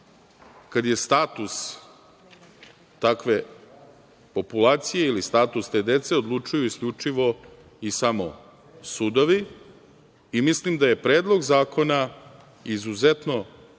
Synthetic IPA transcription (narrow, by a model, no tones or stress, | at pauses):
kad̪je̞st̪aːt̪us | t̪akʋe̞ | po̞pulaːt̪sijeilist̪aːt̪ust̪e̞ːd̪e̞t̪se̞o̞d̪lˠut͡ʃujuiskʎʲut͡ʂiʋo̞ | isamo̞̰ | sud̪oʋi | mislimd̪aje̞pɾe̞ːd̪lˠo̞ɡzaːko̞na | izuze̞t̪no̞